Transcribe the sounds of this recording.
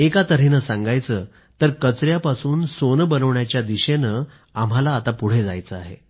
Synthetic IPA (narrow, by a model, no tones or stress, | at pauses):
ekat̪əɾ̤enəsãŋɡajt͡səː | t̪əɾkət͡sɾjapasuːnsonbənəʋɳjat͡ɕjad̪iɕenə | am̤alaːt̪apuɽ̤ed͡zajt͡səa̰ɦḛ